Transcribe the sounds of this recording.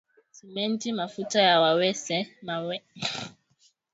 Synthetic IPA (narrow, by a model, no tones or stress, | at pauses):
simɛntimafutajawawɛsɛmawɛ